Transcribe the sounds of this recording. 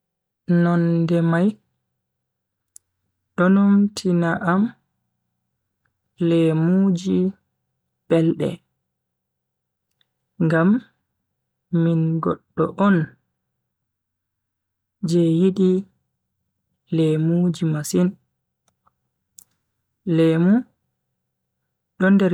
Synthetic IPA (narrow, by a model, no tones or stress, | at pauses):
nɔndɛmaj | ɗɔnumtʰinaʔam | lɛmuːd͡ʒi | b̥ɛlɗɛ̰ | ŋɡam | inɡɔ̰ɗːɔ̰ʔɔn | d͡ʒɛjiɗi | lɛmud͡ʒimasin | lɛmu | ɗɔndɛ